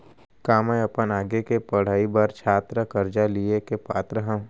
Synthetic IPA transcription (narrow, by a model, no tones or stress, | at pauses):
kaːmẽɐpənaːɡekepɐɽ̤aːibɐɾt͡ʃʰaːt̪ɾəkɐɾd͡ʒaliekepaːt̪ɾəɦə̃